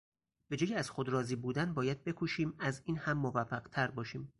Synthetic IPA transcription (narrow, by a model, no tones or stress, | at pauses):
b̥e̞d͡ʒɒːjiæz̥xod̪ɾɒːziːbuːd̪ænbɒːjæd̪̚be̞kʰuʃiːmæziːnhæmːovæfːæɢt̪ʰæɾbɒːʃiːm